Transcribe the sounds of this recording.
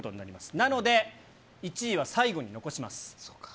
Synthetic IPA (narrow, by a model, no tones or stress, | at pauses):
ot̪o̞ɲinaɾimasɨ̥nano̞d̪e̞ | it͡ɕiːβ̞asaiɡo̞ɲ̟ino̞ko̞ɕimasɨ̥